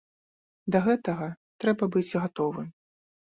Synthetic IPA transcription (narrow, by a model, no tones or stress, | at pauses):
d̪ɐɣɛt̪ɐɣɐ | t̪ɾɛbɐbɨt͡sʲɣat̪ɔvɨm